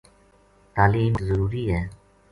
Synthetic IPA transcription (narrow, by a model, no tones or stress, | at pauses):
t̪alimzəɾuɾiɛ